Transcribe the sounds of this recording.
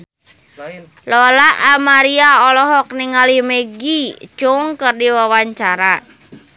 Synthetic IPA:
lɔlaʔamaɾiaɔlɔɦɔk̚niŋalimeɡit͡ʃʊŋkərdiwawaɲt͡ʃaɾa

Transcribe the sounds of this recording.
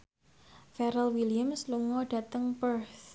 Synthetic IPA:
fɛɾəlwiliamsluŋɔɖ̥ä̤t̪əŋpərθ

